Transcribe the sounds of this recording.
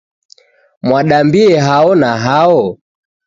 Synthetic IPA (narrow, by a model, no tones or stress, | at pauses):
mwaɗambiɛɦaɔnaɦaɔ